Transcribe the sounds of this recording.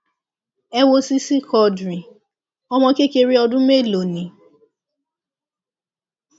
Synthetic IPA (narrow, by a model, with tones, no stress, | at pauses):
ɛ˦wo˧si˦si˦kɔ˨˧dɾĩ˨ | ɔ˦mɔ̃˧ke˦ke˧ɾi˦ɔ˧dʊ̃˦me˦˨lo˨nĩ˨